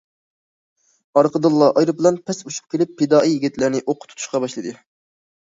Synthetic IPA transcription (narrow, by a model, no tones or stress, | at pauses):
ɑɾqʰəd̪ɨlˠːɑʔɑjɾɨbɨlˠɑnpʰɛsuʃu̥p̚kʲʰelɪpːɪd̪ɑːʔijːiɡʲit̪lɪɾnɪʔoqʰʊ̥t̪ʰu̥t̪u̥ʃqɑbɑʃlˠɨd̪ɨ